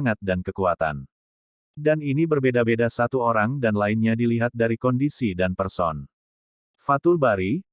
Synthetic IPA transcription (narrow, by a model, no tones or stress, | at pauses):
ŋat̪̚dankəkuat̪a̰n | daninibərbedabedasat̪uoɾaŋdanlainɲadiliɦat̪̚daɾikɔndisidanpərsɔ̰n | fat̪ʊlbaɾi